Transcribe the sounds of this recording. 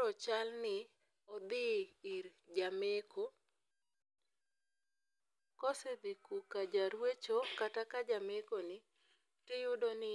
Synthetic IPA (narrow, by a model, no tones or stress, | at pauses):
ɔt͡ʃalnɪ | ɔd̪ɪɪɾd͡ʒameko | kɔsed̪ɪkukad͡ʒaɾwet͡ʃokatakad͡ʒamekonɪ | tɪjʊdonɪ